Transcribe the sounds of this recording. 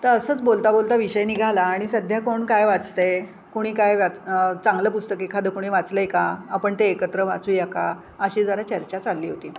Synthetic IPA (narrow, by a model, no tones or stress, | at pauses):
t̪əəsəːt͡sbolt̪abolt̪aʋiɕəjniɡʱalaːɽ̃isəd̪ʱjakoɳkajʋat͡st̪ej | koɽ̃iːkajʋat͡st͡sãŋɡləpust̪əkekʰad̪əkuɽ̃iʋat͡sləjkaapəɳt̪eːkət̪ɾəʋa̰t͡suːjaka | əɕiːd͡zəɾat͡ɕəɾt͡ɕat͡salːiːɦot̪iː